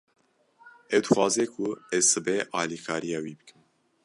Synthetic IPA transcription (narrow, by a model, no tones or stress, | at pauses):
ɛwd̪ɨxwɑːzekʰʊɛzsɨbɛʔɑːlikʰɑːɾijɑːwiːbɨkʰɨm